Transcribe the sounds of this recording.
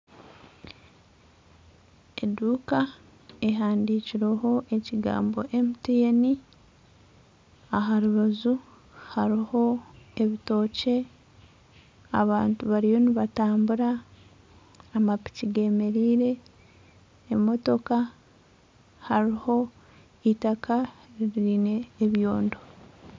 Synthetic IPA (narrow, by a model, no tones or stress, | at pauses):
e̞̰duːka | e̞ɦaːndiciɾeɦo̞ʔe̞ciɡa̰ːmbo̞̰ʔemitieni | aɦaɾuβazu | haɾiho̞e̞βito̞ːce̞ | a̰βaːntuβaɾijo̞niβataːmbuɾa | mapi̥ciɡe̞me̞ɾiːɾe̞ | mo̞to̞ka | haɾiho̞ | itakʰaɾiɾine̞ːβjo̞ːndo̞